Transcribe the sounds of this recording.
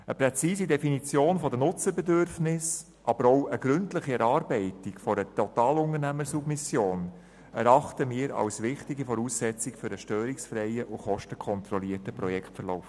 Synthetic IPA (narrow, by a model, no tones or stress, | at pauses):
əpɾɛt͡siːzidɛfinit͡sjoːnfɔdənʊt͡səɾbɛdʏɾfnɪs | ʔɑb̥əɾɔwəɡ̥ɾʏntlɪχiɛɾɑːɾbɛɪtɪkfɔɾətʰɔtɑːlʊŋənæməsubmɪsjoːn | ɛɾɑχtəmiːɾɑ̰wsʋɪχtiɡifɔɾuːsːɛt͡sɪkfʏɾəʃtœːɾiksfɾɛɪəʔʊχɔʃtəkʰɔnt̪ɾɔliːətəpɾɔjɛkʰtfəɾlɔʊf